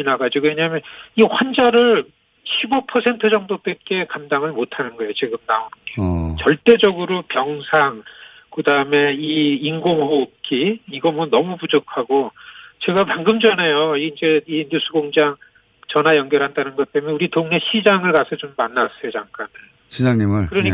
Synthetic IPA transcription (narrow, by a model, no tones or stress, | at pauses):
inaɡad͡ʑiɡoweɲamjʌniɸwand͡ʑaɾɯɭ | ɕʰibopʰʌsʰe̞ntʰɯd͡ʑʌŋdop͈et̚k͈e̞kamdaŋɯɭmotʰanɯnɡʌejot͡ɕiɡɯmnaonɡet͡ɕʌɭt͈e̞d͡ʑʌɡɯɾopjʌŋsʰaŋ | kɯdaɯme̞iinɡoŋɦoːp̚k͈ʰiːiɡʌmɯnnʌmupud͡ʑokʰaɡot͡ɕe̞ɡapaŋɡɯmd͡ʑʌnejond͡ʑe̞injusʰuɡoŋd͡ʑaŋ | t͡ɕʌnɦajʌŋɡjʌɾɦandanɯnɡʌt̚t͈emʌuɾitoŋne̞ɕʰid͡ʑaŋɯɭkasʰʌt͡ɕomːanːas͈ʌjot͡ɕaŋk͈anɯɭ | ɕid͡ʑaŋɲimɯɭkɯɾʌɲi